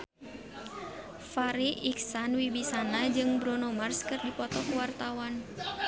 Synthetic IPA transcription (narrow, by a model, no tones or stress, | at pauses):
faɾiʔiksanwibisanad͡ʒɨŋbɾɔnomarskɨrdipɔt̪ɔkwart̪awan